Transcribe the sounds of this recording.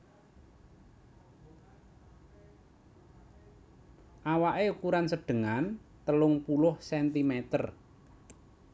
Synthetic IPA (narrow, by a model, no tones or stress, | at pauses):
ʔawaʔeukuɾansəɖ̥ə̤ŋant̪əlʊŋpulʊhsɛnt̪imet̪ər